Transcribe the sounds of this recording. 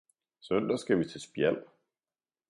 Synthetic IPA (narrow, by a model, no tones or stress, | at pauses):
sœnd̥ɐsɡ̥æʋit͡sʰe̝sb̥jæl̰